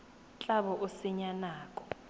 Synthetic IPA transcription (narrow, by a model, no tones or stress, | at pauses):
t͡ɬʼaɓɔʔosiɲanaːkʼɔ̥